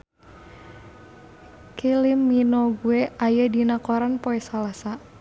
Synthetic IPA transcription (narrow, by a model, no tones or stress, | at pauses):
kilimːinoɡuɛajadinakɔɾanpoɛsalasa